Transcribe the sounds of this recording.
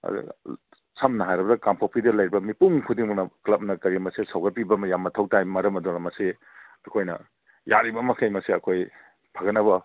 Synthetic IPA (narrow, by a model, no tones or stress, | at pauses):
ɐ̰d̰ | sʰɐmnɐɦajɾɐbɐdɐkampʰawpʰidɐlɐjɾibɐmipuŋkʰudiŋmunɐklɐp̚nɐkɐɾimɐsesawɡɐɾ̚pibɐmɐjamːɐtʰɐwtajmɐɾɐmɐdunɐmɐsi | ɐkʰojnɐ̰ | jaɾibɐmɐkʰɐjmɐsiɐkʰoj | pʰɐɡɐnːɐbɐ